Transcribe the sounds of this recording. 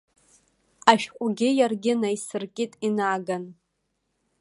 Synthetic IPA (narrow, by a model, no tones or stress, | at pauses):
aʃᶣqʷʼɡʲɪjarɡʲɪnaisɨrkʲʼitʼinaːɡan